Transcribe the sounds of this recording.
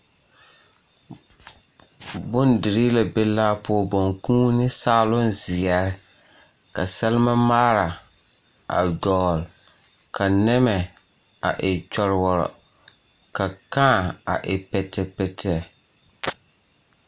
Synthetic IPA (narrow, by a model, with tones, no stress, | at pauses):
bʊ˦ndɪ˨ɾi˦la˨be˦laː˦pʊ˦ɔ˦˨bɔ˨ŋkũː˦nɪ˦saː˦˨lʊ˦nzɪ˨ɛ˨ɾɪ˦ | ka˨sɛ˦lɪ˦ma˦maː˦ɾa˨ | a̰˨dɔː˨l | kʰa˨nɛ˦mɛ˨a̰˨ʔɪ˨t͡ʃɔ˨ɾɪ˨wɔ˨ɾɔ̰˨ | ka˨kãː˦˨a̰˨ʔɪ˨pɛ˨tɛ˨pɛ˨tʰɛ˦˨